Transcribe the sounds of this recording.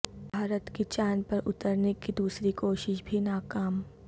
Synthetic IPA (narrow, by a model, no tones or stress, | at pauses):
bʱaːɾət̪kit͡ʃaːnpɐɾʊ̰t̪əɾnekid̪uːsɾikoːʃɪʃbʱinaːkaːm